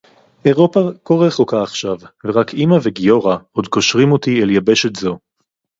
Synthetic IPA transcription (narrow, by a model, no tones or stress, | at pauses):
ʔeʁo̞pakoʁeχokaːχʃavveʁakʰimaveɡijo̞ʁaʔod̪ko̞ʃʁimot̪ieljabeʃetzo̞